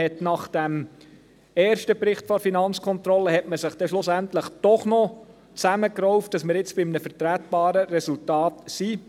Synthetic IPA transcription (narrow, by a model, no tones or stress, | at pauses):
ɛtnɑχd̥æm | ɛːɾʃtəpɾɪχtfɔɾfinɑnt͡skʰɔntɾɔlːəɦɛtməsɪχd̥ɛʃlʊsæntləχd̥ɔχnɔ | t͡sæməkɾɔʊft̚d̥ɑsmɪɾɪt͡sb̥ɪmnəfəɾtɾætb̥ɑːɾəɾɛsultɑːtsi